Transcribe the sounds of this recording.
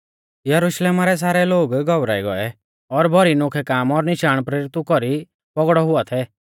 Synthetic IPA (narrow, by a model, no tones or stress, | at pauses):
jɐɾʊʃleːmaɾɛs̬aːɾɛloːɡɡɔʋɾa̰ːiɡɔɛ | ɔɾbʱɔɾinʊkʰɛkaːmɔɾnɪʃaːɽ̃pɾeɾɪt̪ukɔɾi | pɔɡɽɔɦʊat̪ʰɛː